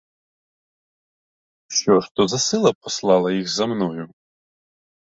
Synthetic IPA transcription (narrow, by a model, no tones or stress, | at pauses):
ʃʲɔʂt̪ɔzɐsɪlˠɐpɔslˠɑlˠɐjixzɐmnɔjʊ